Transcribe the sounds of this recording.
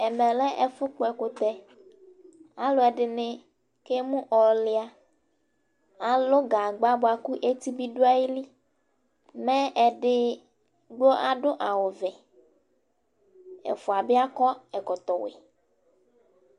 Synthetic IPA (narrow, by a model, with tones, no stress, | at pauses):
ɛ˨mɛ˨lɛ˦ʔɛ˨fʊ˦k͡po˦ɛ˨ko˦t̪ɛ˦ | a˨lo˦ɛ˨ɖɪ˨nɪ̃˦ | ke˦mũ˦ʔɔ˨lɪ˦a˨ | a˨lo˦ɡa˨ɡ͡ba˦ba˨ku˦ʔe˦t̪i˦bi˦ɖu˦a˦ji˦li˦ | mɛ̃˦ɛ˨ɖɪ˦ | ɡ͡bo˦ʔa˨ɖʊ˦ʔa˨wo˨vɛ˨ | ɛ̰˨fo˨a˨be˦a˦kɔ˦ɛ˨kɔ˨t̪ɔ˨wḛ˨